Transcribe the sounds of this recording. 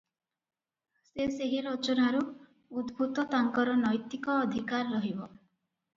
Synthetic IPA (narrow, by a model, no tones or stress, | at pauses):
seseɦiɾɔt͡ʃɔnaɾu | ud̪bʱut̪ɔt̪aŋkɔɾɔnɔjt̪ikɔːd̪ʱikaɾːɔɦibɔ